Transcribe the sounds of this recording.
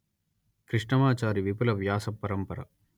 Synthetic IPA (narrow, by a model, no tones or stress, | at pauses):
kɾiʂɳɐmaːt͡ʃaːɾiʋipulɐʋjaːsɐpːɐɾɐmpɐɾɐ̰